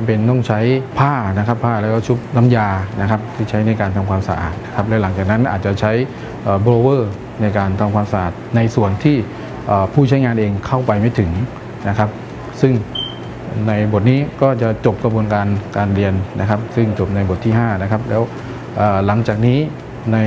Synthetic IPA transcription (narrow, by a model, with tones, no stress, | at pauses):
pe˧nt̪ɔ˥˩ŋt͡ɕʰa˦˥jpʰaː˥˩na˦˥kʰa˦˥pʰːaː˥˩lɛː˦˥˩kɔː˥˩t͡ɕʰu˦˥p̚na˧mjaː˧na˦˥kʰa˦˥p̚t̪ʰiː˥˩t͡ɕʰa˦˥jna˧jkaː˧nt̪ʰa˧mkʰaː˧msa̰˧ʔa̰ː˨˩t̪̚na˦˥kʰa˦˥p̚lɛː˦˥wla˩˦ŋt͡ɕaː˨˩k̚na˦˥nʔaː˨˩t̪̚t͡ɕa˨˩t͡ɕʰa˦˥j | ʔəː˨˩bɾoː˧wɤː˥˩ | na˧jkaː˧nt̪ʰa˧mkʰaː˧msa˧ʔaː˨˩t̪̚na˧jsu˨˩ənt̪ʰiː˥˩ | ʔəː˨˩pʰuː˥˩t͡ɕʰa˦˥jŋaː˧nʔeː˧ŋkʰa˥˩wpa˧jma˥˩jt̪ʰɯ˨˩˦ŋ | na˦˥kʰa˦˥p̚ | sɯ˥˩ŋ | na˧jbo˨˩t̪̚niː˦˥kɔː˥˩t͡ɕa˨˩t͡ɕo˨˩p̚ka˧bu˧ənkaː˧nkaː˧nɾi˧ənːa̰˦˥kʰa˦˥p̚sɯ˥˩ŋt͡ɕo˨˩p̚na˧jbo˨˩t̪ʰːiː˥˩ɦaː˥˩na˦˥kʰa˦˥p̚lɛː˦˥w | ʔaː˨˩la˩˦ŋt͡ɕaː˨˩k̚niː˦˥ | na˧j